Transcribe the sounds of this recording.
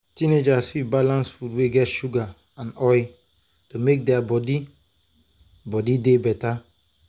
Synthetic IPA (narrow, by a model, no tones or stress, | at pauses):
tined͡ʒasfivbalãnsfudweɡɛtʃuɡa | ãnɔj | tomek̚dɛabɔdi | bɔdidebɛta